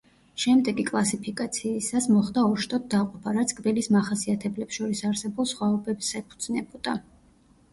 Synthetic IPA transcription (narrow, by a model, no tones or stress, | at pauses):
ʃɛmd̪ɛɡikʼlˠasipʰikʼat̪sʰiːsasmɔχd̪aɔʃt̪ʼɔd̪̚d̪aqʼɔpʰaɾat̪sʰkʼbilismaχasiat̪ʰɛblɛpsʃɔɾisaɾsɛbulˠsχwaɔbɛbsɛpʰud̪znɛbɔd̪̥a